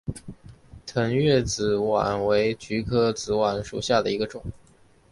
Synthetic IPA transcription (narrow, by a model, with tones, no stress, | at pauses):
t̪ʰə˧˥nɥɛ˥˩t͡sɹ̩˧˩wa̰˨˩nwe˧˥ɪt͡ɕy˧˥kʰɤ˥t͡sɹ̩˧˥wa˨˧˩nʂṵ˨˩ɕja˥˩d̪ə˩i˧˥ɡə˧ʈ͡ʂʊ˨˩˦ŋ